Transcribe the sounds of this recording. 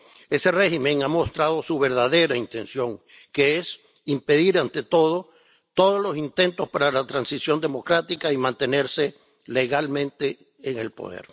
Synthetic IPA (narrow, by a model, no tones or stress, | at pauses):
e̞se̞re̞ximẽ̞ŋamo̞st̪ɾað̞o̞suβe̞ɾðaðe̞ɾaint̪e̞nsjo̞ŋ | ke̞es | impe̞ðiɾant̪e̞t̪o̞ð̞o̞ | t̪o̞ðoslo̞sint̪e̞nt̪o̞spaɾalat̪ɾansisjo̞nd̪e̞mo̞kɾat̪ikaimãnt̪e̞ne̞ɾse̞ | le̞ɣalmẽ̞nt̪e̞ː | ŋe̞lpo̞̰ðḛɾ